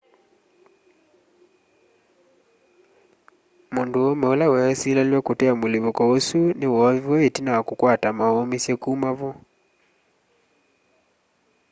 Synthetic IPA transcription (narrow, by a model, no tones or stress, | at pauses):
monduɔmɛɔlawɛɛsilaljwakutɛamuliβɔkɔosuniwɔwɔetinawakukwatamaɔmisjɛkuːmavɔ